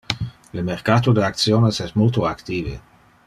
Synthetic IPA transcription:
lemeɾkat̪od̪eak̪sjonesɛsmult̪oakt̪ivḛ

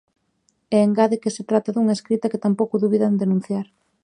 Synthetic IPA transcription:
ɛeŋɡaðekɪset̪ɾat̪aðuŋaeskɾit̪ɐkɪt̪ampowkʊðuβiðand̪enũn̟θjaɾ

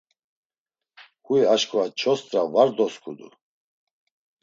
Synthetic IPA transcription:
kʼuiaʃkʼɔat͡ʃʰɔst̪ʼɾavaɾd̪ɔskʰʼud̪ṵ

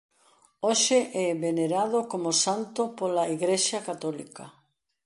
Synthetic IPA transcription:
oʃɪʔɛβeneɾað̞okomosant̪opolaiɣɾeʃɐkat̪ɔlikɐ

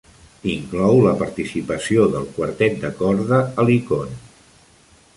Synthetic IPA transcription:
iŋklɔwləpəɾt̪isipəsioðəlˠkwəɾt̪ɛt̪̚d̪əkɔɾðəəlikon

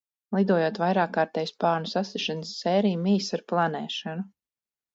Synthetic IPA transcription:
lˠid̪uɔjoɔːt̪vajɾaːkːaːɾt̪ɛːjspɑːɾnusasiʃansːɛːɾijmiːsaɾplˠanɛːʃanu

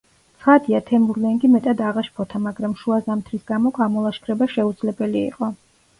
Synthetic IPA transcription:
t̪sʰχad̪iat̪ʰɛmuɾlɛŋɡimɛt̪ʼad̪aʁaʃpʰɔt̪ʰamaɡɾamʃuazamt̪ʰɾisɡamɔkʰamɔlˠaʃkʰɾɛbaʃɛud̪zlɛbɛlḭːqʼɔ

